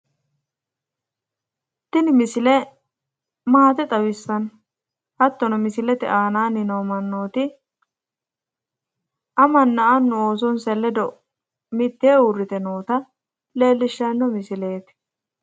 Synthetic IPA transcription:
t̪ːɪnɪmɪsɪlɛ | maːt̪ɪt̪ʼɐwɪsːɐn | hɐt̪ːɔnɔmɪsɪlɛt̪ɪʔaːnaːnɪnoːmɐnːoːt̪ɪ | ʔɐmɐnːɐɐnːʊoːs̬ɔnsɛlːɛd̪ɔ | mɪt̪ːeːʊrːɪt̪ɛnoːt̪ɐ | le̞ːlːɪʃːɐnːɔmɪsɪle̞ːt̪

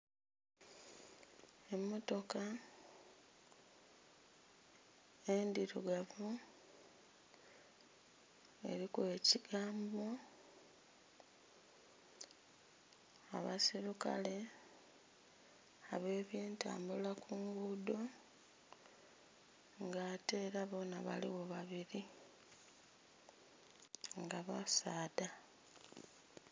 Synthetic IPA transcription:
e̞mːo̞to̞ka | e̞ndiɾuɡavu | e̞̰ɾikwe̞ːciɡaːmbo̞ | a̰βa̰siɾuka̰le̞ | aβe̞ːβje̞ːnta̰ːmbulakuŋɡuːdo̞ | ŋɡaːte̞ːɾaβo̞ːnaβa̰liwo̞βaβiɾi | ŋɡaβasaːda

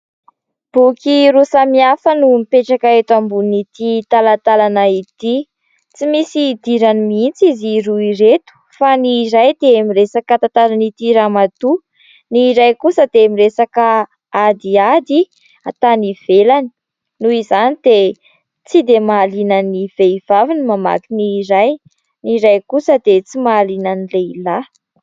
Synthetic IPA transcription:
b̥ukiɾusamiafənumipeʈ͡ʂakaet̪wambunit̪it̪alat̪alanait̪i | t͡simisid̪iɾanimiint͡siziɾuiɾet̪u̥faniɾajd̪̥eamiresakat̪ant̪aɾanit̪iɾamad̪u | niːɾajkusəd̪eamiresaka | ad̪iad̪i | at̪aniv̥elani̥ | nuizanid̪e | t͡sid̪emaːlinaniv̥eiv̥avinimama̰t̪iniːɾaj | niɾajkusəd̪et͡simaːlinanileila

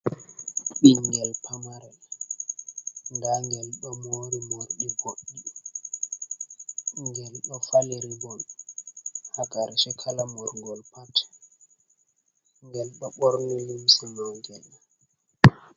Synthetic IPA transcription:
ɓiŋɡɛlpʰamaɾɛl | ndaŋɡɛlɓamoːɾimoɾɗiboɗːi | ŋɡɛlɗɔfaleɾibɔn | haɡaɾʃɛkʰalamɔɾŋɡɔlpatɛ̥ | ŋɡɛlɓaɓɔɾnilimsɛnɔŋɡɛl

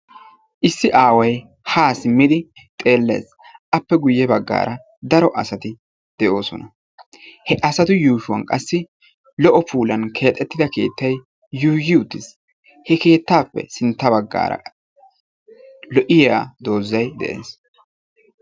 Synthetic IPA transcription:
ʔɪsːɪʔaːwɐj | haːsɪmːɪd̪ɪ | t̪ʼe̞ːlːe̞̰ːs | ʔɐpːɛɡʊjːɛbɐɡːa̰ːɾɐ | d̪ɐɾɔʔɐ̰sɐt̪ɪ | d̪̥ɛʔo̞ːsɔnɐ | hɛʔɐsɐt̪ʊjuːʃʊwɐ̰nkʼɐsːɪ | lɔʔɔpuːlɐnkʰe̞ːt̪ʼːɛt̪ːɪd̪ɐke̞̰ːt̪ːɐj | juːʒɪʊt̪ːɪs | hɛke̞ːt̪ːaːpːɛ̰sɪnt̪ːɐbɐɡːa̰ːɾɐ̰ | lɔʔɪjaːd̪o̞ːzːɐjd̪ɛ̰ʔe̞̰ːs

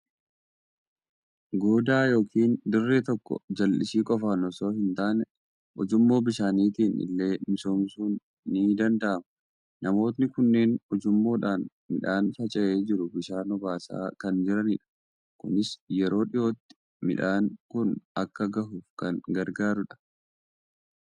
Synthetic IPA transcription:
ɡoːd̪aːjo̞ːkʰiːnd̪ʊrːeːt̪ɔkːɔ̰d͡ʒɐlːɪsiːkʼɔfanɔso̞ːhɪnt̪aːnɛ | ʔɔd͡ʒʊmːo̞ːbɪʃaːniːt̪iːnɪ̰lːe̞ːmɪso̞ːmsuːnː | iːd̪ɐnd̪ɐʔɐmɐ | nʔɐmo̞ːt̪̬nɪkʊnːeːnɔd͡ʒʊmːo̞ːᶑaːn | mɪ̰ᶑaːnfɐt͡ʃʼɛʔe̞ːd͡ʒɪɾʊbɪʃaːnɔbaːsa̰ːkɐnd͡ʒɪɾɐnɪᶑɐ̥ | kʊnɪsjɛɾo̞ːᶑɪjo̞ːt̪ːɪ̥ | mɪ̰ᶑaːnkʊnɐkːɐɡɐhuːfkɐŋɡɐɾɡaːɾʊᶑɐ̥

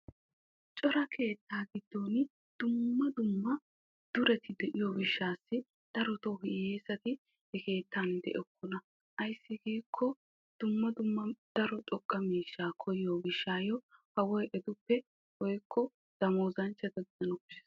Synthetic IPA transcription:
t͡ʃʼɔɾɐkʰe̞ːt̪ːaːɡɪd̪ːoːn | d̪̥ʊmːɐd̪ʊmːɐ | d̪̥ʊɾɛt̪ʰɪd̪ɛʔɪjobɪʃːaːsːɪ | d̪̥ɐɾɔt̪oːɦɪjeːzɐt̪ɪ | ɛke̞ːt̪ːaːnd̪ɛ̰ʔɔkʰːɔnɐ | ʔɐjsːɪɡiːkʰːɔ | d̪̥ʊmːɐd̪ʊmːɐd̪̥ɐɾɔt͡ʃʼɔkʼːɐmiːʃːaːkʰɔjɪjoːbɪʃːaːjɔhɐwɔjʔɛd̪ʊpːɛ | wɔjkʰːɔ | d̪̥ɐmoːzɐnt͡ʃːɐd̪ɐɡɪzɐnɔkʊ̥ʃɛ̥s

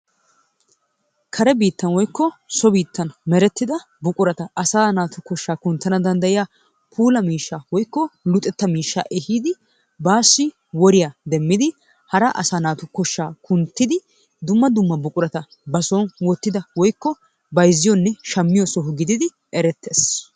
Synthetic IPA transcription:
kʰɐɾɛbiːt̪ːɐnwɔjkːɔsɔbiːt̪ːɐnmɛɾɛt̪ːɪd̪ɐ | bʊkʼʊɾɐt̪ɐʔɐsaːnaːt̪ʊkɔʃːaːkʊnt̪ːɐnɐd̪ɐnd̪ɐjɪja | pʰuːlɐmiːʃːaːwɔjkːɔlʊt̪ʼːɛt̪ːɐmiːʃːa̰ːʔɛhiːd̪ɪ | baːsːɪ | wɔɾɪjaːd̪ɛmːɪd̪ɪ | hɐɾɐʔɐsaːnaːt̪ʊkɔʃːaːkʰʊnt̪ːɪd̪ɪ | d̪ʊmːɐd̪ʊmːɐbʊkʼʊɾɐt̪ɐ | bɐsɔnwɔt̪ːɪd̪ɐwɔjkːɔ | bɐjzːɪjɔnːɛʃɐmːɪjɔsɔɦʊɡɪd̪ɪd̪ɪ | ɛɾɛt̪ːeːs

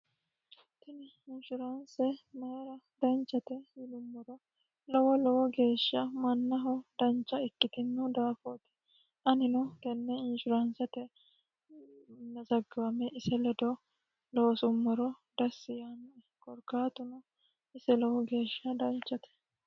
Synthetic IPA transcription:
t̪ːɪnɪ | ɪnʃʊɾɐnsɛmeɾɐ | d̪̥ɐnt͡ʃːɐt̪ɛjɪlʊmːɔɾɔ | lɔwɔlɔwɔɡe̞ːʃːɐmɐnːɐɦʊd̪ɐnt͡ʃːɐɪkːɪt̪ɪnːɔd̪aːfoːt̪ɛ̥ | ʔɐnɪnɔɡɛnːɛɪnʃʊɾɐnsɛt̪ɛ | nːɐzɐɡːɐɐmɛʔɪsɛlɔd̪ɔ | lowsʊmːɔɾɔ | d̪̥ɐsːɪjanɐɛ | kɔɾkaːt̪ʊnɔ | ɪsɛlɔwɔɡe̞ːʃːɐd̪ɐnt͡ʃːɐt̪ɛ̥

